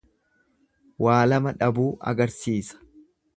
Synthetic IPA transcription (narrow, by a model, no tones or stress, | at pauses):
wʔaːlɐmɐᶑɐbuːʔɐ̰ɡɐɾsiːsɐ̥